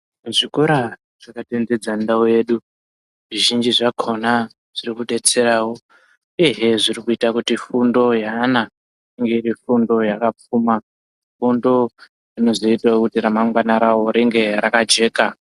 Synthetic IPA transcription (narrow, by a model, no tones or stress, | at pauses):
ʐikoɾa | ʐ̥akatend͡ze̞d͡zandaoje̞ɗu | ʐiʒind͡ʒiʐakʰo̞na | ʐ̥irikuɗe̞t͡se̞ɾaːwo̞ | iɦeʐirikuitakutifundo̞jana | iŋɡe̞iɾifundo̞jakap͡fuma | fundo̞ | rino̞zoitaokutiɾamaŋɡwanaɾawo̞ɾeŋɡe̞ɾakad͡ʒe̞ːka